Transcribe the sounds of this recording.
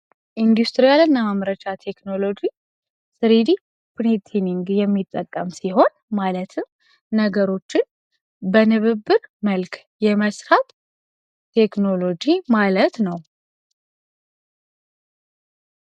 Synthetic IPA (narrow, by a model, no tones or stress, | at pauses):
ʔind̪ust̪ɾijalɨnːəməmɾət͡ʃat̪ʰe̞kno̞lo̞d͡ʒi | sɨɾid̪i | pɾit̪ʰiniŋɡjɛmːit̪ʼːəkʼːəmsiɦo̞nmalət̪ʰɨmː | əɡəɾo̞t͡ʃːɪn | bənɨβɨbːɨɾməlkʰ | jɛməsɾat̪ | t̪ʰe̞kno̞lo̞d͡ʒimalət̪nəw